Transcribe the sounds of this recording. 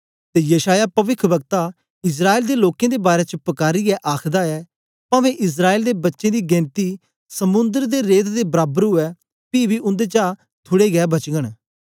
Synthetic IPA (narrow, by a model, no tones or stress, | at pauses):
t̪eːjəʃaːjaːpəʋɪkʰbəɡ̚t̪a | ɪs̬ɾaːeːld̪eloːkẽːd̪eːbaːɾeːt͡ʃəpɐkaːɾiɛʔaːkʰd̪aɛː | pãːʋẽːʔɪs̬ɾaːeːld̪eːbɐtːʃẽːd̪iːɡɛ̃ːnt̪i | səmʊ̃nd̪əɾd̪eɾeːt̪d̪eːbəɾaːbəɾɦʊɛː | piːbiʊ̃nd̪eːt͡ʃaː | t̪ʰʊɽeːɡɛːbɐt͡ʃɡəɽ̃